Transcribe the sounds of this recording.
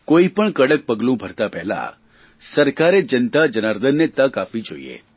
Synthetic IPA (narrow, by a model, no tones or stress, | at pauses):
koipəɳkəɽək̚pəɡlũbʱəɾt̪apɛɦla̰ | səɾkaɾed͡ʒənt̪ad͡ʒənaɾd̪ənːet̪akafid͡ʒo̰ḭḛ